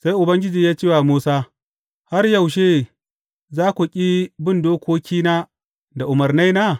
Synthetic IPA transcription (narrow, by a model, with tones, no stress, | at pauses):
sa˦jʔʊ˨bɐ˦ŋɡʲɪ˦d͡ʒiː˨jaː˦t͡ʃeː˦waː˨muː˦saː˦ | ha˦rjɐ˨wʃe˦ | zaː˦kʷu˨kʲʼi˦bɪ˦˨ndoː˦kʷoː˦kʲiː˦naː˦ | da˨ʔʊ˨mɐ˨rna˦naː˦